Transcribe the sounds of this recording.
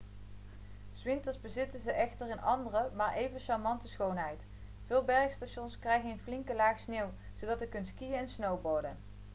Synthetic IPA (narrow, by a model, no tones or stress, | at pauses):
z̥ʋɪntəɹzbəzɪtənzəʔɛχtərɪnɑ̰ndərəmaːɹʔejvənʃɑɹmɑntəsχownɦɛjt | vɪːlˠbɛɹxstaʃɔnskrɛjχənənflɪŋkəlaːχsneːw | z̥owdɑtəkɵnskijəɛnsnowboɹdən